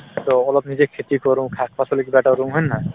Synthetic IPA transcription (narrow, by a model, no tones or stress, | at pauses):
t̪ɔɔlɔpnid͡ʑekʰet̪ikɔɾũkʰak̚ʰpʰasolekibɛʈaɾũɦojnːa